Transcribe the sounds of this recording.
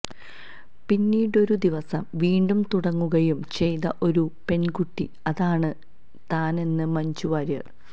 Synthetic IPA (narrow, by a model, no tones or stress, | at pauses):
pinːiːɽo̞ɾud̪iʋɐsɐmʋiːɳɖumt̪uɽɐŋːuɣɐjumt͡ɕe̞jt̪ɐʔo̞ɾupe̞nkuʈːḭ | ɐðaːɳɨ | t̪aːne̞nːɨmɐɲt͡ɕuʋaːɾjɐ̰r